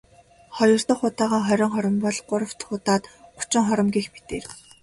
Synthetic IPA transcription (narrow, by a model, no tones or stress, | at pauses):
χɔjɞ̆r̥t̪ə̆χʊt̪aːʁaːχœɾʲɞːŋχɔɾʲɞ̆mpɔɮɢʊɾə̆w̥t̪χʊːt̪aːt̪ɢʊ̥t͡ɕɪ̆ŋχɔɾʲɞ̆mɡiːxpit̪eːr